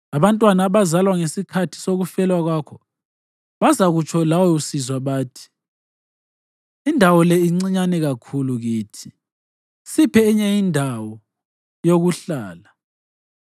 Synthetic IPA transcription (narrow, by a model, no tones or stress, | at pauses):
aβantʼwanaːβazalwaŋesikʰatʰi̥soɣufɛlwaɣwaːkʰɔ | βazaɣut͡ʃʰɔlawɔjusizwaβaːtʰi̥ | indʱawɔlɛiŋ͡ǀiɲanɛɣakʰuluɣiːtʰi | sipʰɛiɲɛjindʱawɔ | joɣuɬaːla